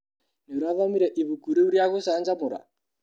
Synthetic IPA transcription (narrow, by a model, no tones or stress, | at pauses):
niɾaʋamiɾɛʔiβukuɾiuɾijakusand͡ʒamuɾa̰